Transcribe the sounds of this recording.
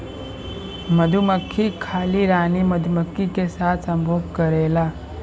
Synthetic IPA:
məd̪ʱuməkʰːikʰaːliɾaːniməd̪ʱuməkʰːikesaːt̪ʰsɐ̃mbʱoːb̚kəɾeːlaː

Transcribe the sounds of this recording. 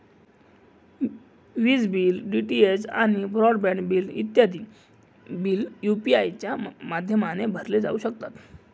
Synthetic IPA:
ʋiːd͡zbiːlɖiʈiet͡sa̰ñibɾɔɽbɛ̃ɳɖbiːlḭt̪jad̪iː | biːljupiajt͡ɕjamad̪ʱjəmanebʱəɾled͡za̰uɕək̚t̪at̪

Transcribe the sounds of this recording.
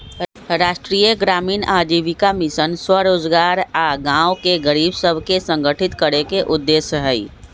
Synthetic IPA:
ɾaːʃʈɾiːjəɡɾaːmiːnaːd͡ʒiːʋikamɪʃənswəɾoːd͡ʒɡaːɾaːɡãːʊkeɡəɾiːbsəbʱkesə̃ŋɡʱəʈʰɪt̪kəɾekeʔʊd̪ːeːsəɦɛi

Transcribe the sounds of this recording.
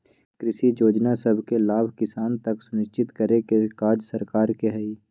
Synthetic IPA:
kɾɪʃijoːd͡ʒnasɐbʱkelaːbʱkɪsaːnt̪ɐksʊnɪʃt͡ʃɪt̪kəɾekekaːd͡ʒsəɾkaːɾkeɦɛi

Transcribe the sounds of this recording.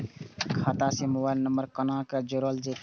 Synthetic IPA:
kʰaːt̪asemʊbaːɪlnəmbəɾkənãkad͡ʒəɾəld͡ʒe

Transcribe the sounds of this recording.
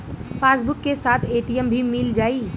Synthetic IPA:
pʰasbʊkːesaːt̪ʰeʈijəmbʱimild͡ʒaːi

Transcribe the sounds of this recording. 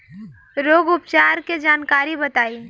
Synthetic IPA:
ɾoːɡʊpt͡ʃaːɾked͡ʒaːnkaːɾibɐt̪aːiː

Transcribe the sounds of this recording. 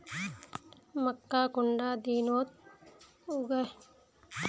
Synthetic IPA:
mɐkːaːkʊɳɖaːd̪iːnoːt̪̚ | uɡɐj

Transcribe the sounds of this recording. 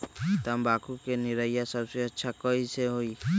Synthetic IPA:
t̪ambakukeniɾajasɔbseɔtːʃʰakɔjsʰeɦoj

